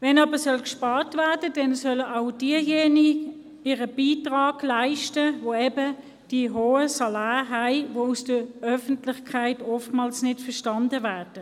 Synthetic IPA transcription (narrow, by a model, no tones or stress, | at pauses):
vɛnɑːbəsœlkʃpɑːtvæːɐd̥ədɛnsœləʔaʊd̥iəjeːni | ɪʁəb̥iːtʁɑːɡ̥læɪʃtəvoɛbə | d̥iɦoːəsɑlaːɦæɪʋousd̥əœfəntlɪχkʰaɪtɔftmɑːlsnɪtfəʃtɑndəvæːɐd̥ə